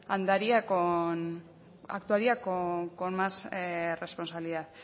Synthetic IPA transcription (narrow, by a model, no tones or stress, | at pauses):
and̪aɾiakon | a̰kt̪uaɾiakokonmasre̞spo̞nsaβiliðað